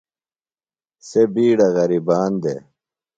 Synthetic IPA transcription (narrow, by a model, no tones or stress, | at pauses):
sebiːɽɐɣɐɾibaːnd̪ḛ